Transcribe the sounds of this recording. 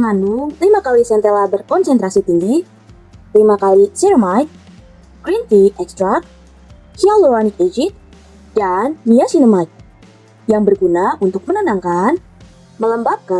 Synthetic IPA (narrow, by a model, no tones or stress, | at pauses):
əŋanʊŋlimakalisɛnt̪elabərkɔnsɛnt̪ɾasit̪iŋɡi | limakalisiɾəmajk̪̚ | kɾint̪iʔɛkst̪ɾak̚ | hiallowanikid͡ʒit̪̚ | danːiasinəmajk̚ | jaŋbərɡunaʔunt̪ʊk̚mənənaŋkan | mələmbap̚ka